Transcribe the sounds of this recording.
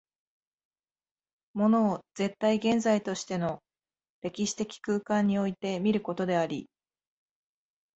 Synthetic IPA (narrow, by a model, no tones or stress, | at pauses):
mo̞no̞ːz̥e̞t̪ːaiɡẽ̞nzait̪o̞ɕi̥t̪e̞no̞ | ɾe̞kʲiɕi̥t̪e̞kʲi̥kɯ̟ːkãɲ̟ːio̞it̪e̞mʲiɾɯ̟ko̞t̪o̞d̪e̞aɾʲḭ